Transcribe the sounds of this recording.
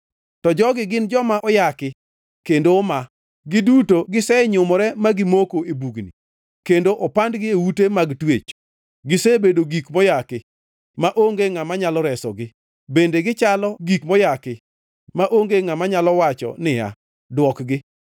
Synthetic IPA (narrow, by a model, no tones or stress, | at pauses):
tɔd͡ʒɔɡɪɡɪnd͡ʒɔmaʔɔjakɪ | kendoma | ɡɪdutoɡɪsɛɲʊmɔɾɛmaɡɪmokoebuɡnḭ | kendoʔɔpandɡɪewutemaɡtwet͡ʃ | ɡɪsebedoɡikmɔjakɪ | maʔoŋɡeŋamaɲalɔɾɛsɔɡɪ | bendeɡɪt͡ʃalɔɡikmɔjakɪ | maʔoŋɡeŋamaɲalɔwat͡ʃɔ̰nɪja̰ | dwɔkɡɪ